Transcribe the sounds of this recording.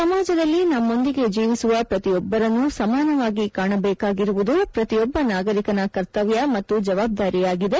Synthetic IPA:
sɐmaːd͡ʒɐd̪ɐlːinɐmːo̞nd̪iɡe̞d͡ʒiːʋisuʋɐpɾɐt̪ijɔbːɐɾɐnːusɐmaːnɐʋaːɡikaːɳɐbɛːkaːɡiɾuʋud̪upɾɐt̪ijɔbːɐnaːɡɐɾikɐnɐkɐɾt̪ɐʋjɐmɐt̪ːud͡ʒɐʋaːb̚d̪aːɾijaːɡid̪e̞

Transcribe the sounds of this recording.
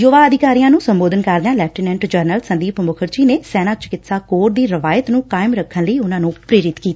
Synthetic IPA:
joːʋaːəd̪ɪkaːɾijãːnũːsəmboːd̪ənkəɾd̪ãːlɛːp̚ʰʈɪnɛ̃ɳʈd͡ʒəɾnəlsənd̪iːpəmʊkʰəɾt͡ʃiːneːsɛːnaːt͡ʃə̥kɪt̪saːkoːɾd̪iːɾəʋaːjət̪nũːkaːɪmɾəkʰːənləiːʊnãːnũːpɾeːɾɪt̪kiːt̪aː

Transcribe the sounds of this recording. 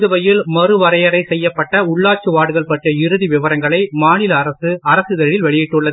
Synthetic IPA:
ðɯʋɐjɪlmɐrɯʋɐɾɐjɐɾɐɪsɛjːɐpːɐʈːɐʊɭːaːt͡ʃɯʋaːɽɯɣɐɭpɐʈriɐɪɾɯðiʋɪʋɐɾɐŋɡɐɭɐɪmaːnɪlɐːɾɐsɯɐɾɐsɯðɛɻɪlʋɛɭɪjɪʈːɯɭːɐð

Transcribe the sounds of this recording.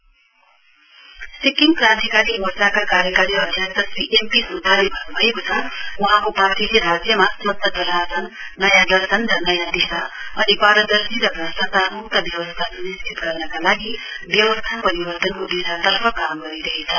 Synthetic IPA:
sikiŋɡpɾãt̪ikaɾimort͡sakakaɾjʌkaɾiʌd̪ʱjʌkt̪ʌsiʔempisud̪ʱːalebʱʌnbʱʌekot͡sʰʌwuɦãkopat̪ileɾasjʌmasmʌt̪ːʌd̪ʌlasʌnː | ʌjãd̪ʌɾsʌnɾʌnʌjad̪isaʌnipaɾʌd̪ʌɾsiɾʌbʱʌsat̪aɾut̪ʌbjʌwʌst̪ʰasunistʰit̪ɡʌrnʌkalaɡi | bjʌwʌst̪ʰapʌɾibʌɾt̪ʌnkod̪isat̪ʌɾpʰʌkamɡʌɾiɾʌɦet͡sʰʌ

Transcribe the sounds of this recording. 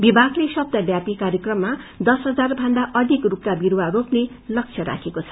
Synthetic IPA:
bibʱaɡlesʌb̚d̪ʌbjapikaɾjʌkrʌmːa | d̪ʌsɦʌd͡zarbʱʌnd̪aʔʌd̪ʱikrupkabiɾwaropne | lʌk̚t͡sʰjʌɾa̰kʰekot͡sʰʌ̥

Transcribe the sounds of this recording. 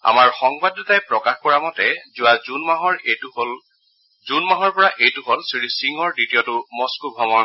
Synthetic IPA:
a̰maɹxɔŋbadɔtajpɹɔkaxkɔɹamɔtɛzʊwazunmaɦɔɹ | zunmaɦɔɹpɔɹaʔejtʊɦɔlsiɹisiŋɔɹditijɔtʊmɔskubʱɔmɔ

